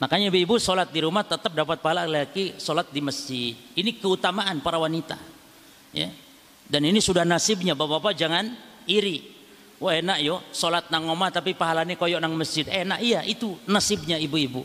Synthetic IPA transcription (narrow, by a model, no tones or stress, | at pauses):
makaɲaibuibusolat̪̚diɾumaht̪ət̪əp̚dapat̪̚paɦalaleakisolat̪̚diməsd͡ʒɪd̪̚inikəut̪amaʔanpaɾawanit̪a̰ | ja̰ | daninisudahnasɪb̚ɲabapapad͡ʒaŋan | iɾi | waʔenaʔjosolat̪̚naŋomat̪apipaɦalanakojɔʔnaŋməsd͡ʒɪd̪enaʔijaʔit̪unasɪb̚ɲaibuibu